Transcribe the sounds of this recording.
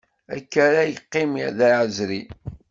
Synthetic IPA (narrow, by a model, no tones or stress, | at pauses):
æ̰kːæɾæjəqːɪmiðæɾʕəzɾi